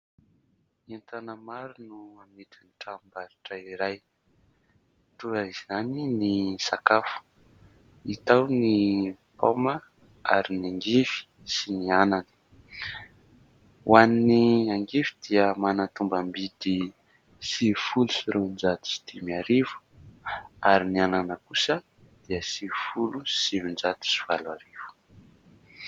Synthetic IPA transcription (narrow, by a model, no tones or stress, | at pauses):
ant̪anəmaɾunuamit̪inʈ͡ʂambaɾiʈ͡ʂaiɾaj | t̪uɾaizaninisakafu̥ | it̪awnipomə | a̰ɾiniaŋɡifi̥ | sinianani̥ | wanniaŋɡivi̥d̪̥iəmanat̪umbəmbid̪i | sifulusiɾend͡ʒat̪i̥si̥t̪imiaɾivu̥ | aɾiniananəkusə | d̪̥iəsifulusimind͡ʒat̪i̥siv̥alwaɾivu̥